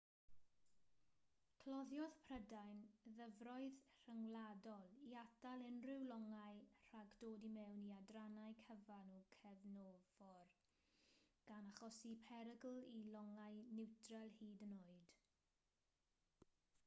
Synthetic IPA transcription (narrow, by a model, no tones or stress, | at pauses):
kʰlɔðjɔðpʰrədajnðəvrɔɨðr̥əŋwlˠadɔlˠiadalˠɪnrɪwlɔŋajr̥aɡdoːdimɛwniadranajkʰəvanukʰɛvnoːvɔr | ɡ̥anaχɔsipʰɛɾəɡl̩ˠilɔŋajnɪwtrɛlˠhiːdənoːɨd̥